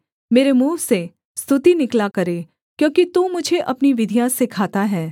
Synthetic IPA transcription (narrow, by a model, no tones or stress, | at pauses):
meːɾemuːʋse | st̪ʰʊt̪inɪklakɐɾeː | kjõːkit̪umʊd͡ʒʱeʔɐpniʋɪd̪ʱijaːsɪkʰaːt̪aɦɛː